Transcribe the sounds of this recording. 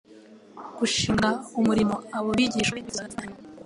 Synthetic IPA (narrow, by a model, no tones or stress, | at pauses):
ɡ̥uʃiːŋɡaumuɾimo̞aβoβiɟiʃeiβiɡaza